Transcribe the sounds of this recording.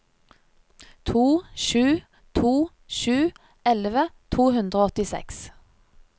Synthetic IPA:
t̪ʰuːʃʉː | t̪ʰuː | ʃʉː | ɛlʋət̪ʰuːhʉnd̪ʁəoːɔt̪ɪsɛ̰ks

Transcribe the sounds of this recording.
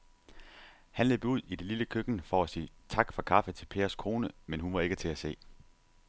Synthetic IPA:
hænle̝̰ːb̥uð̞̰ˠid̥e̝liləkʰøɡ̥n̩fɒ̽æsiːt͡sʰɑ̈ɡ̥fɒkʰɑ̈fət͡sʰe̝lpʰe̝ːɐskʰo̝ːnəmenɦunʋɑ̈e̝ɡ̥ət͡sʰe̝æse̝̰ː

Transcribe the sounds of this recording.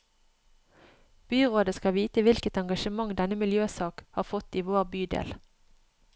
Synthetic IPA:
b̥yːʁoːd̪əskɑʋiːt̪əʋɪlkət̪ɛŋɡɑʃəmɑŋd̪ɛnəmɪljøːsɑːkhɑːʁfɔt̪iːʋoːʁbyːd̪ḛːl

